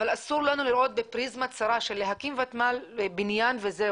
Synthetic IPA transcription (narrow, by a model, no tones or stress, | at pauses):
valasuɾlanuliɾʔo̞t̪̚bepʁizmat͡saɾaʃe̞lːeɦakimvat̪malbinjanve̞ze